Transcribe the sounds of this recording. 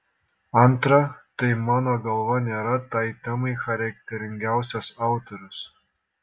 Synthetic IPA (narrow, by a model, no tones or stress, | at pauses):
ɐnt̪ɾɐt̪ɐɪmɑːnoːɡɐlˠʋɐnʲeːɾɐt̪ɐɪt̪ʲɐmɐɪxɐɾʲɛk̚ʲt̪ʲɛɾʲɪŋʲɡʲæʊsʲɛsɑˑʊt̪oɾʲʊs